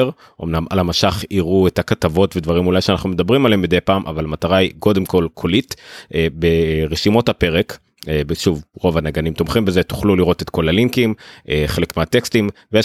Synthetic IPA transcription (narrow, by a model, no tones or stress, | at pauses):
ʁ | ʔomnama̰lamaʃaχiʁuetakatavo̞tved̪vaʁimulajʃeanaχnumed̪abʁimalembid̪e̞jpaːmʔa̰valamat̪aʁaiko̞de̞mko̞lkʰolitebeʁeʃimo̞thape̞ʁek | beʃuvʁo̞vanaɡanimt̪omχimbe̞zet̪u̥χluliʁo̞t̪et̪ko̞laliŋkimʔeχe̞lekmeat̪ekstimveje